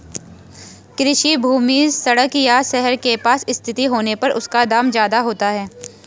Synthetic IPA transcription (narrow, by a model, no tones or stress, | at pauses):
kɾɪʃibʱuːmisɐɽəkjaʃɛɦəɾkepaːsɪst̪ʰɪt̪iɦoːnepɐɾʔʊ̰skad̪aːmd͡ʒjaːd̪aɦoːt̪aɦɛː